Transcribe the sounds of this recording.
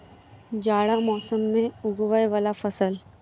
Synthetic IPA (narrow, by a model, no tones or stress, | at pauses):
d͡ʒaːɽamɔːsəmːẽʊɡwəjʋaːlafɐsəl